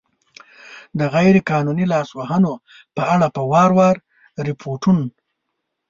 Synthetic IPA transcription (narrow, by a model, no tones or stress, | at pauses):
d̪əɣajɾekɑːnunilɑswaɦəno | pəaɽapəwɑɾwɑɾ | ɾɪpʰoʈun